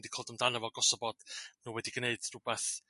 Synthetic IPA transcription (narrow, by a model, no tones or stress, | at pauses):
ndikʰoːlˠdəmdanəvɔɡɔsɔbɔd̥nuːwɛdiɡneɨdrʊbɛθ